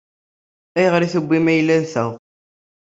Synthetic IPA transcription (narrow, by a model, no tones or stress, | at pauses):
æjəʁɾiθəbʷːimæjlːænθæʁ